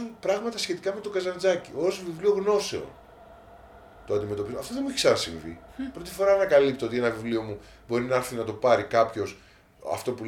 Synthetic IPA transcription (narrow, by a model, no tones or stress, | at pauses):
unpɾɐɣmɐt̪ɐsçe̞t̪ikɐme̞t̪o̞ɡɐzɐnd͡zɐcio̞zvivlio̞ɣno̞se̞o̰n | t̪oɐnd̪ime̞t̪o̞pizɐft̪oðemuiçiksɐɾɐsḭ̃ɱvḭ | pɾo̞t̪ifo̞ɾɐnɐkɐlipt̪oo̞t̪ie̞nɐvivlio̞mu | bo̞ɾinɐɐɾθinɐt̪o̞pɐɾikɐpço̞s | ɐ̰ft̪o̞pu